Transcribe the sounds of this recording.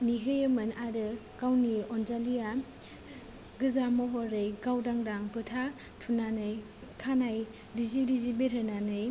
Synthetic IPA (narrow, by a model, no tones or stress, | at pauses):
niɦɯjɯmɯnaɾɯ | ɡ̥awniɔnzalija | ɡɯzamɔɦɔɾɯjɡawdaŋdaŋpɯtʰa | tʰunanɯj | tʰanaj | ɾiziɾizibeɾɯnanɯj